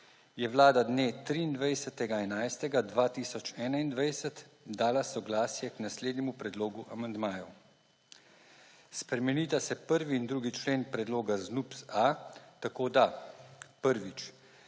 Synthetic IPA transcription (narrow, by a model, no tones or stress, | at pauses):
jɛʋlaːd̪ad̪neːt̪ɾiːnd̪ʋajsət̪ɛɡaɛnajst̪ɛɡad̪ʋaːt̪iːsɔt͡ʃɛːnaind̪ʋajsɛt̪d̪aːlasɔɡlaːsjɛknasleːd̪nʲɛmupɾɛd̪loːɡuʔamand̪maːjɔ | spɾɛmɛniːt̪asɛpəɾʋiːnd̪ɾuːɡit͡ʃleːnpɾɛd̪loːɡaznupsat̪akoːd̪a | pəɾʋit͡ʃ